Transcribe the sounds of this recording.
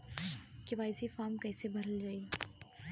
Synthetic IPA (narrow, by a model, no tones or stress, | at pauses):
kɪʋaːɪsifaːɾmkɛːsebʱɐɾəld͡ʒaːi